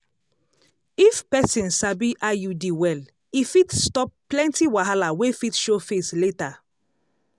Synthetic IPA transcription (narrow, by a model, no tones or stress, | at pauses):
ifpɛsĩnsabiʔajudiwɛl | ifitstɔp̚ː | lɛ̃ntiwaɦalawefitʃofesleta